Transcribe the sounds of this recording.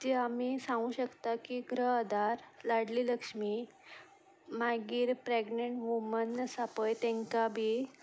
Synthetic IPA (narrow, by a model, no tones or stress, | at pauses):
d͡ʑeamiːsãŋɡũːɕəkt̪akiɡɾəɦəd̪aɾlaɽliːləkʂmi | maɡiːɾpɾeɡneɳʈʋumənəsapəjt̪ɛ̃ŋkabʱi